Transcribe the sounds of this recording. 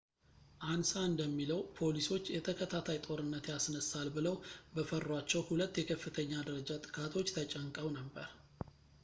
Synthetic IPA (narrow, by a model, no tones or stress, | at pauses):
ʔansaɨnd̪əmːiləwpʰo̞liso̞t͡ʃːjɛt̪ʰəkʰət̪ʰat̪ʰajt̪ʼo̞ɾɨnːət̪jasnəsalbɨləwbəfərːwat͡ʃːɛwhulət̪ːjɛkʰəfːɨt̪ʰəɲːad̪əɾəd͡ʒat̪ʼɨ̥kʰʼat̪ʰo̞t͡ʃːt̪ʰət͡ʃʼəŋkʼəwnəbːəɾ